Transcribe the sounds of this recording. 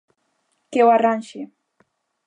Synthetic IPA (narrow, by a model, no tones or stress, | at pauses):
kewaɾanʃɪ